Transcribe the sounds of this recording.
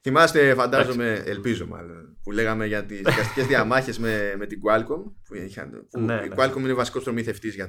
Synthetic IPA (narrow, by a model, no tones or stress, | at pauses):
θimɐst̪efɐnd̪ɐzo̞me̞elpizo̞̰mɐ̰lo̞npule̞ɣɐme̞ʝɐt̪izðikɐst̪i̥cezðiɐmɐçe̞zmeme̞t̪iɡuɐlkompuiçɐ̰npuḭkuɐlkominevɐsi̥ko̞st̪ɾo̞miθe̞ft̪izʝɐ